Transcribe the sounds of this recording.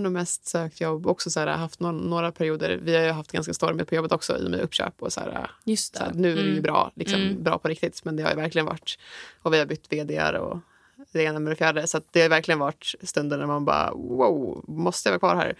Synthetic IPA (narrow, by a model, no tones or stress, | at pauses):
nʉːmɛst̪søːk̚t̪jɔbɔksɔsæːɾa̰ɦaft̪nɔnːoːɾapʰæɾɪuːd̪ə̰ɾvɪhaɾjɵɦaft̪ɡanskast̪ɔɾməpʰɔjɔbːət̪ɔksɔ̰ḭːɔ̰mja̰ʔɵpːɕø̰ːpɔsæ̰ːɾa̰sa̰ːnʉ̟ːædɛjʉbɾɑ̰ːlɪksɔmbɾɑ̰ːpʰɔɾɪk̚t̪ɪt̪mɛnd̪ɛha̰ɾjʉvæɾklɪɡənva̰ʈːɔvɪhaɾbʏt̪ːveːd̪ea̰ɾɔ̰ | ɾeːnamɛɾɛfjæːɖəsat̪̚d̪ɛhaɾjʏvæɾklɪɡənvaʈst̪ɵnd̪ənæɾmanbɑ̰ːwaʊmɔst̪əjʋɑːkvɑːɾɦæ̰ːɾ